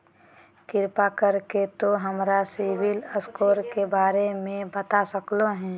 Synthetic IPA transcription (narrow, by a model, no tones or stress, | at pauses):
kɪɾpakəɾket̪oɦəmɾasiwɪləskoːɾkebaːɾemẽbət̪asəkloɦɛ̃ː